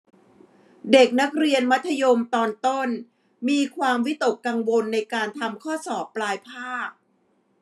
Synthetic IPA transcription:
de˨˩k̚na˦˥k̚ɾi˧ənma˦˥t̪ʰːa˧jo˧mt̪ɔː˧nt̪o˥˩n | miː˧kʰwaː˧mwi˦˥t̪o˨˩kːa˧ŋwo˧nːa˧jkaː˧nt̪ʰa˧mkʰɔː˥˩sɔː˨˩pːlaː˧jpʰaː˥˩k̚

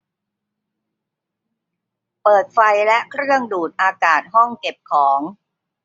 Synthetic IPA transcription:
pɤː˨˩t̪̚fa˧jlɛ˦˥ʔkʰɾɯ˥˩əŋduː˨˩t̪̚ʔaː˧kaː˨˩t̪̚ɦɔ˥˩ŋke˨˩p̚kʰɔː˩˦ŋ

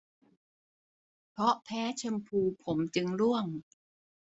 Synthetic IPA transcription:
pʰɾɔ˦˥ʔpʰɛː˦˥t͡ɕʰa˧mpʰuː˧pʰo˩˦mt͡ɕɯ˧ŋɾu˥˩əŋ

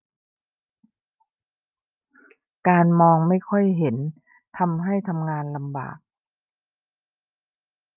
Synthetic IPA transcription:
kaː˧nmɔː˧ŋma˥˩jkʰɔ˥˩jɦe˩˦n | t̪ʰa˧mɦa˥˩jt̪ʰa˧mŋaː˧nla˧mba̰ː˨˩k̚

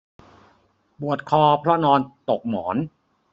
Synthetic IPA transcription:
bu˨˩ət̪̚kʰɔː˧pʰɾɔ˦˥nɔː˧nt̪o˨˩k̚mɔː˩˦n

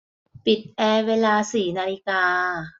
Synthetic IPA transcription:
pi˨˩t̪̚ʔɛː˧weː˧laː˧siː˨˩naː˧li˧kaː˧

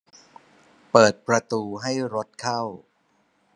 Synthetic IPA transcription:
pɤː˨˩t̪̚pɾa˧t̪uː˧ɦa˥˩jɾo˦˥t̪̚kʰa˥˩w

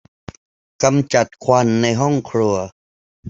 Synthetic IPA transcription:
ka˧mt͡ɕa˨˩t̪̚kʰwa˧nːa˧jɦɔ˥˩ŋkʰɾu˧ɐ

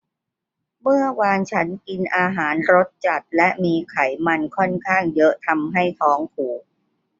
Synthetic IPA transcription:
mɯ˥˩ɐwaː˧nt͡ɕʰa˦˥nki˧nʔaː˧ɦaː˩˦nɾo˦˥t̪̚t͡ɕa˨˩t̪̚lɛ˦˥ʔmiː˧kʰa˩˦jma˧nkʰɔ˥˩nkʰaː˥˩ŋjɤ˦˥ʔt̪ʰa˧mɦa˥˩jt̪ʰɔː˦˥ŋkʰuː˩k̚

